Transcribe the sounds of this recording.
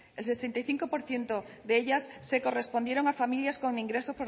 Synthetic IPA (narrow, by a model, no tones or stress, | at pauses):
else̞se̞nt̪ajθiŋko̞po̞ɾθje̞nt̪o̞ | ðeeʎasːe̞ko̞re̞spo̞nd̪je̞ɾo̞ŋafamiljasko̞ŋĩŋɡɾe̞so̞spoɾ